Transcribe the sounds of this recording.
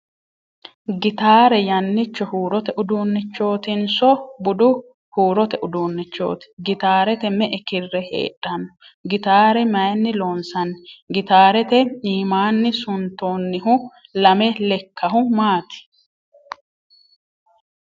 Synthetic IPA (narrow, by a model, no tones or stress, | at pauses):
ɡɪt̪aːɾɛjɐnːɪt͡ʃːɔhuːɾɔt̪ɛʔʊd̪uːnːɪt͡ʃːo̞ːt̪ɪnsɔbʊd̪ʊ | huːɾɔt̪ɛʔʊd̪uːnːɪt͡ʃːo̰ːt̪ɪ̥ɡɪt̪aːɾɛt̪ɛmɛʔɛkɪrːɛhḛːᶑʼːɐnːɔ | ɡɪt̪aːɾɛmɐjnːɪloːnsɐnːɛɡɪt̪aːɾɛt̪ɛiːmaːnːɪsʊnt̪o̞ːnːɪɦʊ | lɐmɛlɛkʰːɐɦʊmaːt̪ɪ̥